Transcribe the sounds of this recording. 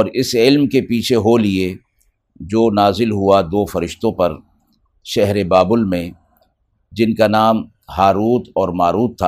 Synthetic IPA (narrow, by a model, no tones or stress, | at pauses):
ɔːɾɪsɪlmkepiːt͡ʃʰeɦolie | d͡ʒoːnaːzɪlɦuad̪oːfɐɾɪʃt̪õpɐɾ | ʃɛɦɾebaːbʊlmẽ | d͡ʒɪnkanaːm | haːɾuːt̪ʰɔːɾmaːɾuːt̪ʰːa